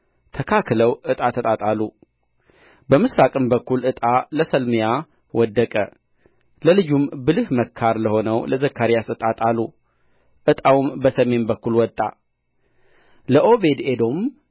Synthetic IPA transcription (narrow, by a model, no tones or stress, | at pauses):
t̪ʰəkʰakləwɨt̪ʼat̪ʰət̪ʼat̪ʼalːu | bəmɨsɾakʼɨmbəkːulʔɨt̪ʼaləsəlmɨja | wɔd̪ːəkʼə̰ | ləlɨd͡ʒumbɨlɨhməkʰːaɾləho̞nəwləzəkʰːaɾijasət̪ʼat̪ʼalːu | ʔɨt̪ʼawumbəsəme̞nbəkːulwɔt̪ʼːa̰ | ləʔo̞be̞d̪ed̪o̞m